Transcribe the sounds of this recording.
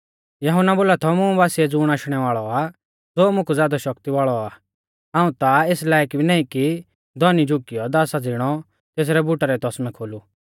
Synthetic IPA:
jɐɦʊnːaboːlat̪ʰɔmũbaːsiɛd͡zuːɽ̃aːʃɽ̃ɛʋaːɭɔa | d͡zoːmʊ̃kʰud͡zjaːd̪aʃɔkt̪iʋaːɭɔaː | ɦãːũt̪aeslaːjkbinaːiki | d̪ɔnid͡ʒʱʊkːijɔd̪aːsad͡zɪɽ̃ɔ | t̪eːs̬ɾɛbʊʈaɾɛt̪ɔsmɛkʰoːlu

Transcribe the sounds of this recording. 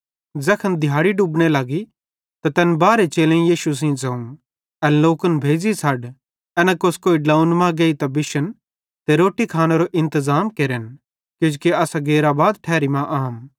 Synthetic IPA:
d͡zɐkʰənd̪ʱjaːɽiɖuːbɽ̃elɐɡi | t̪at̪ɛnbaːɾet͡ʃeːlẽjiːʃus̬ĩːd͡zɐũ | ɐnloːkənbʱeːd͡zisʰɐɖ | ɛnãkoskoːiɖlaːũnmãɡeit̪abɪʃən | t̪eɾoːʈikʰaːneɾoʔɪ̃nt̪əzaːmkeɾen | kɪd͡ʒkeɐsaɡeːɾabaːd̪ʈʰɛːɾimãʔaːm

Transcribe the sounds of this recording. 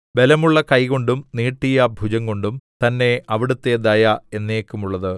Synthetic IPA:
ʋe̞lɐmuɭːɐkɐjko̞ɳɖumniːʈːijɐbʱud͡ʑɐŋko̞ɳɖumt̪ɐnːe̞ɐʋiɽut̪ːed̪ɐjae̞nːeːkːumuɭːɐðɨ

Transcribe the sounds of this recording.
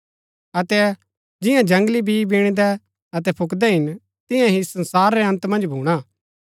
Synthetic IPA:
ɐt̪ɛ | d͡ʒɪjãd͡ʒɐ̃ŋɡlibibiɽ̃d̪ɛ | ɐt̪̬ɛpʰʊkd̪ɛɦɪn | t̪ɪjãɦisɐ̃nsaːɾːɛɐ̃nt̪mɐ̃nd͡ʒbʱuːɽ̃a

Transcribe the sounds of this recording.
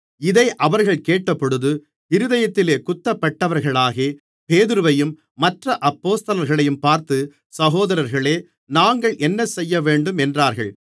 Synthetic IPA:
ɪðɐɪʔɐʋɐɾɣɐɭkeːʈːɐpːɔɽɯðɯ | ɪɾɯðɐjɐt̪ːɪleːkʊt̪ːɐpːɐʈːɐʋɐɾɣɐɭaːɣeː | peːðɯɾɯʋɐjɯmː | ɐʈrɐʔɐpːoːst̪ɐlɐɾɣɐɭɐjɯmpaːɾt̪ɯ | sɐɣoːðɐɾɐɾɣɐɭeː | naːŋɡɐɭʔɛnːɐsɛjːɐʋeːɳɖɯmɛndraːɾɣɐ̰ɭ

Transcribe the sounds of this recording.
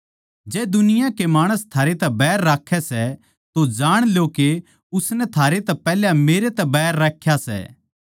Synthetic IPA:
d͡ʒɛːd̪ʊnɪjãkemaːɽ̃əst̪ʰaːɾet̪ɛbɛːɾːaːkʰːɛsɛ | t̪od͡ʒaːɽ̃ljoke | ʊsnɛt̪ʰaːɾet̪ɛpɛːljãmeːɾet̪ɛbɛɦɾːaːkʰːjasɛ̰ː

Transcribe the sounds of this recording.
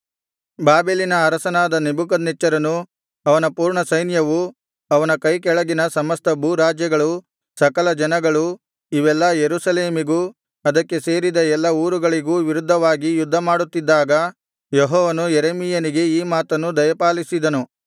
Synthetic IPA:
baːbeːlinɐːɾɐsɐnaːd̪ɐnibuk̬ɐd̪nɛt͡ʃːɐɾɐnu | ɐʋɐnɐpuːɾɳɐsɐjnjɐʋu | ɐʋɐnɐkɐjkɛɭɐɡinɐsɐmɐst̪ʰɐbʱuːɾaːd͡ʒjɐɡɐɭu | sɐkɐlɐd͡ʒɐnɐɡɐɭu | iʋɛlːɐjeɾusɐleːmiɡuː | ɐd̪ɐkːe̞se̞ːɾid̪ɐɛlːɐuːɾuɡɐɭiɡuːʋiɾud̪ʱːɐʋaːɡijud̪ʱːɐmaːɽut̪ːid̪ːaːɡɐ | jɔɦɔːʋɐnujeɾemijɐniɡe̞iːmaːt̪ɐnːud̪ɐjɐpaːlisid̪ɐnu

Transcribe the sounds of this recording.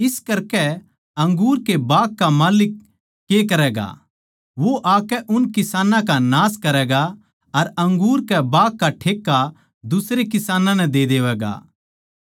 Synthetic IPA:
ɪskɐɾkɛ | ɐ̃ŋɡuːɾkebaːkːamaːlɪkː | eːkɐɾɛːɡa̰ | ʋoʔaːkɛʔʊnkɪsaːnãkanaːskɐɾɛːɡa | ɐɾɐ̃ŋɡuːɾkɛbaːkːaʈʰeːkːa | d̪ʊsɾekɪsaːnãnɛ̃d̪ed̪eːʋɛːɡa̰ː

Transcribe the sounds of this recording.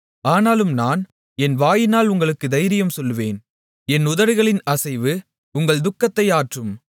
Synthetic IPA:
aːnaːlɯmnaːn | ɛnʋaːjɪnaːlʊŋɡɐɭɯkːɯd̪ɐjɾɪjɯmsɔlːɯʋeːn | ɛnʊðɐɾɯɣɐɭɪnɐsɐɪʋɯ | ʊŋɡɐɭd̪ʊkːɐt̪ːɐɪaːʈrɯm

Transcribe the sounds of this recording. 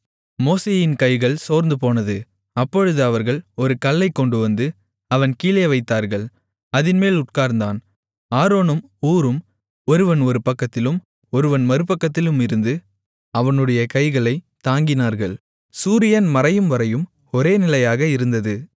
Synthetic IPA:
moːseːjɪnkɐɪɣɐɭsoːɾnd̪ɯp̬oːnɐðɯ | ɐpːɔɻɯðɯɐʋɐɾɣɐɭɔɾɯkɐlːɐɪkːɔɳɖɯʋɐnd̪ɯ | ɐʋɐnkiːlɐjɐʋɐɪt̪ːaːɾɣɐɭ | ɐðɪnmeːlʊʈ̚kaːɾnd̪aːn | aːɾoːnɯmuːɾɯm | ɔɾɯʋɐnɔɾɯpɐkːɐt̪ːɪlɯm | ɔɾɯʋɐnmɐɾɯpɐkːɐt̪ːɪlɯmɪɾɯnd̪ɯ | ɐʋɐnɯɽɐjɐkɐɪɣɐɭɐɪt̪aːŋɡɪnaːɾɣɐɭ | suːɾɪjɐnmɐɾɐjɯmʋɐɾɐjɯm | ɔɾeːnɪlɐjaːɣɐɪɾɯnd̪ɐðɯ

